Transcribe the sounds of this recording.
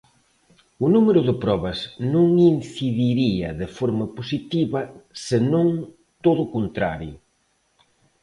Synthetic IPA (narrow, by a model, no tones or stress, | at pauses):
ʊnumeɾʊðɪpɾɔβɐznõŋinθiðiɾiɐðɪfɔɾmɐposit̪iβɐsɪnõŋ | t̪oðʊkont̪ɾa̰ɾjʊ